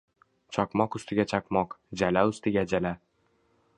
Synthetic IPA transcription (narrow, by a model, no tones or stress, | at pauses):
t͡ʃʰɒqmɒqʊ̥st̪ʰɪɡʲat͡ʃʰaqmɒqd͡ʒalaʊst̪ɪɡʲad͡ʒala